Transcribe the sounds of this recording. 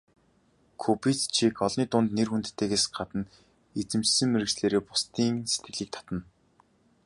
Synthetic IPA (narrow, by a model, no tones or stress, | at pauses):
kʰupit͡st͡ɕʰikʰɔɮniːt̪ʊnt̪nerxunt̪t̪ːeːɣeːsɢat̪ə̆n | et͡sɘ̆mt͡ɕsɘ̆ŋmeɾɘ̆ksɮeːɾeːpʊ̥st̪iːŋse̥t̪ɡɘ̆ɮiːk̚t̪ʰɔ̥t̪ə̆n